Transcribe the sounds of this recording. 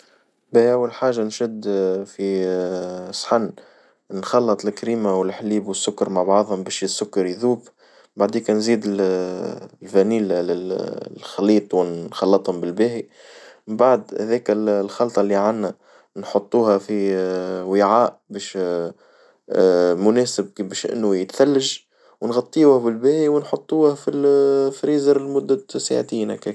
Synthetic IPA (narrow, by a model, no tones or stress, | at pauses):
bæːʔæwːalħaːʒːanʃɪd̪fi | sħanː | nxɑlːɑt̪ˤlkɾiːmawɪlħliːbwəsːʊkːɑɾmaʕbɑʕðˤhʊmbɛːʃɪsːʊkːɑɾjðuːb | baʕd̪iːkænziːd̪ɪl | lfæniːllɪ | xɑliːt̪ˤwɪnxɑlːɑt̪ˤhʊmbɪlbæːhi | mbaʕd̪hæ̰ðɛːkællxɑlt̪ˤɑlːiʕanːæ | nħot̪ˤːuːhæfi | wɪʕaːʔbɛːʃ | mʊnɛːsɪb̚bɛːʃʔɪ̰nːʊjɪt̪θælːaʒ | wnɣɑt̪ˤːiuːhbɪlbæːhiwnħot̪ˤːuːhæfilfɾiːzəɾɪlmʊd̪ːæsa̰ʕt̪iːnæ̰kæ